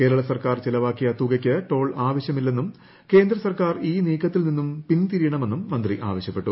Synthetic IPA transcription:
ke̞ːɾɐɭɐsɐrkaːrt͡ɕelɐʋaːkːjiɐt̪ːuːɡɐkʲːɐʈo̞ːɭaːʋɐɕjɐmilːe̞nːum | ke̞ːnd̪ɾɐsɐrkaːriːniːkʰːɐt̪ːilninːumpint̪iɾijɐɳɐme̞nːumːɐnd̪riʔa̰ːʋɐɕjɐpːe̞ʈːu

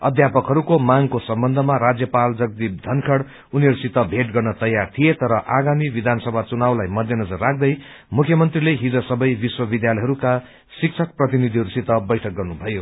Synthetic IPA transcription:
ʌ̰d̪ʱjapʌkɦʌɾukomaŋkosʌmbʌnd̪ʱʌmaɾad͡zjʌpald͡zʌɡ̚d̪ib̚d̪ʱʌnkʰʌɽ | uniɦʌɾusit̪ʌbʱeʈɡʌrnʌt̪ʌjːart̪ʰijet̪ʌɾʌʔaɡamibid̪ʱansʌbʱat͡sunawlajmʌd̪ʱjʌnʌd͡zʌrːak̚ʰd̪ʌj | mukʰjʌmʌnt̪rileɦid͡zʌsʌbʌjbiswʌbid̪jalʌjɦʌɾuka | sik̚t͡sʰʌk̚prʌt̪̬inid̪ʱiɦʌɾusit̪ʌbʌjʈʰʌk̚ɡʌrnubʱʌjo

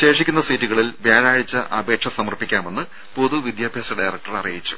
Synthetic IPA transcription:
ɕe̞ːʂikʲːunːɐsiːtːuɣɐɭilʋeːɻaːɻɨt͡ɕːɐʔɐbe̞ːʈʂɐsɐmɐrpːikʲːaːme̞nːɨ | po̞ðuʋid̪jaːbʱjaːsɐɖajrɐk̚ʈɐrɐrijit͡ɕːu̥

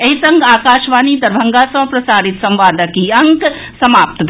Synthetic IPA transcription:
ɐɦisɐ̃ŋɡaːkaːʃʋaːnid̪ɐɾbʱɐŋɡasɐ̃pɾɐsaːɾit̪sɐ̃mʋaːd̪ʱəkiɐŋk | sɐmaːp̚t̪d̪

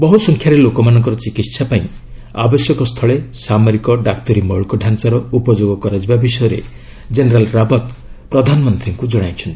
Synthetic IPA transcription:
bɔɦusɔŋkʰjaɾelokɔmanɔŋk̬ɔɾɔt͡ʃikit̪sapaĩ | a̰bɔsjɔkɔst̪ʰɔɭesamɔɾikɔɖakt̪ɔɾimɔɭkɔɖʱant͡ʃaɾɔupɔd͡ʒoɡɔkɔɾad͡ʒibabisɔjɔɾḛ | d͡ʒeneɾalɾabɔt̪pɾɔd̪ʱanɔmɔnt̪ʰiŋkud͡ʒɔɽ̃ajt͡ʃʰɔnt̪i

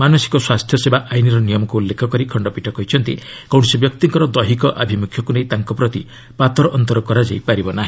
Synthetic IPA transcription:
manosi̥kɔswast̪ʰjɔsebaʔajniɾɔnijɔmɔkuulːekʰɔkɔɾikʰɔɳɖɔpiʈʰɔkɔɦit͡ʃʰɔnt̪ḭkɔw̃sɔbjɔkt̪iŋkɔɾɔd̪ɔɦikɔʔabʱimukʰjɔkunejt̪aŋkɔpɾɔt̪i | pat̪ɔɾɔʔɔnt̪ɔɾɔkɔɾad͡ʒajpaɾibɔnaɦĩ

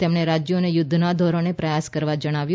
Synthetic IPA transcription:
t̪emɳ̃eɾad͡ʒjonejʊd̪ʱːnad̪ʱoɾonepɾəjaskəɾʋad͡ʒəɽ̃aʋju

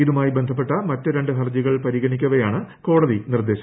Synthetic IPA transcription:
iðumaːjibend̪ʱɐpːe̞ʈːɐmɐtːɨɾeɳɖɨɦɐrd͡ʑiɣɐɭpɐɾiɣɐnikʲːuɐʋɐjaːɳɨko̞ːɽɐðinird̪e̞ːɕɐ

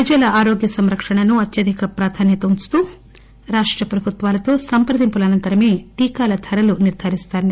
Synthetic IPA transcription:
pɐd͡ʒɐlɐaːɾoːɡjɐsɐmɾɐkʂɐɳɐnuɐt̪jɐd̪ikɐpɾaːt̪ʰaːnjɐt̪ɐunt͡ʃt̪uː | ɾaːʂʈɾɐpɾɐbʱut̪ʋaːlɐt̪o̞ːsɐmpɾɐd̪impulɐnɐnt̪ɐɾɐme̞ːʈiːkaːlɐt̪ʰɐɾɐluniɾd̪ʱaːɾist̪aːn

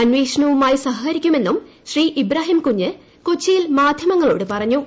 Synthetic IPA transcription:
ɐnʋiːʂɐɳɐʋumaːjisɐɦɐkɐɾikʲːume̞nːumɕriːʔibɾaːɦimkuɲːɨ | kot͡ɕːijilmaːd̪ʱjɐmɐŋːɐɭo̞ːɽɨpɐrɐɲːu

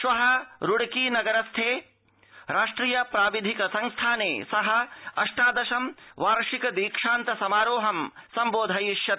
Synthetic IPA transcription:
ʃʋɐɦɐɾuɽɐkiːnɐɡɐɾɐst̪ʰeː | ɾaːʂʈɾiːjɐpɾaːʋid̪ʱikɐsɐŋst̪ʰaːneːsɐɦɐɐʂʈaːd̪ɐʃɐmʋaːɾʂikɐd̪iːkʂaːnt̪ɐsɐmaːɾoːɦɐmsɐmboːd̪ʱɐjiʃjɐt̪

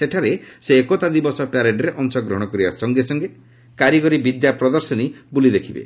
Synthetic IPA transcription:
seʈʰaɾeseːkot̪ad̪ibɔsɔpaɾeɖeɾeʔɔnsɔɡɾɔɦɔɽ̃ɔkɔɾiba̰sɔŋɡesɔŋɡe | kaɾiɡɔɾibid̪japɾɔd̪ɔɾsɔnibulid̪ekʰibḛ

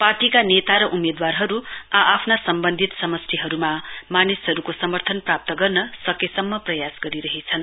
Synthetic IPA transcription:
parʈikanet̪aɾʌʔumed̪warɦʌɾuaapʰnasʌmbʌnd̪ʱit̪sʌmʌst̪ʰiɦʌɾumamanisɦʌɾukosʌmʌrt̪ʰʌnprap̚t̪ʌɡʌrnʌsʌkesʌmːʌprʌjasɡʌɾiɾʌɦet͡sʰʌn

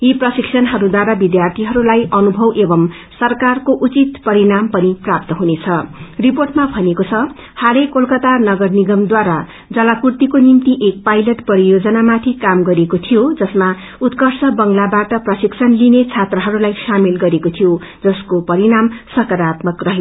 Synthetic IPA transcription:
iprʌsiksʰʌnɦʌɾud̪waɾabid̪jart̪ʰiɦʌɾulajʔʌnubʱʌwʔebʌm | sʌrkarkoʔut͡sit̪pʌɾiɾampʌniprap̚t̪ʌɦunet͡sʰʌriporʈmabʱʌnekot͡sʰʌ | haɾekːolkʌt̪anʌɡʌrniɡʌmd̪waɾa | d͡zʌlakurt̪ikonimt̪iʔek̚pajlʌʈpʌɾijod͡zʌnamat̪ʰikamɡʌɾekot̪ʰijod͡zʌsma | ut̪kʌrsʌbʌŋlabaʈʌprʌsiksʰʌnlinet͡sʰat̪rʌɦʌɾulajsamilɡʌɾekot̪ʰijo | d͡zʌskopʌɾiɾamsʌkʌɾat̪mʌkrʌɦe

